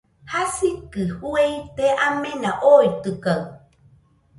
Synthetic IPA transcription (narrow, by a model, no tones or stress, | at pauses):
hasikɨhuejt̪eʔamẽnaʔoit̪ɨkaɨ